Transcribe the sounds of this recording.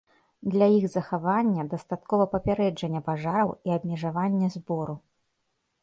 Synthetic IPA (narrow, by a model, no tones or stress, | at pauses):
d̪lʲajixzɐxavanʲːɐd̪ɐst̪at̪kɔvɐpɐpʲaɾɛd͡ʐɐnʲːɛpaʐaɾɐwiɐbʲmʲɛʐavanʲːɛzbɔɾu